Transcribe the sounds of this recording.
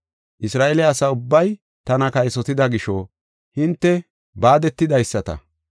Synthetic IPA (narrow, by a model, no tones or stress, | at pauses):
ʔɪsɾaːʔɛlɛɐsɐʊbːɐj | t̪ɐnɐkɐjsɔt̪ɪd̪ɐɡɪʃɔ | hɪnt̪ːɛ | baːd̪ɛt̪ːɪd̪ɐjsːɐt̪ɐ̰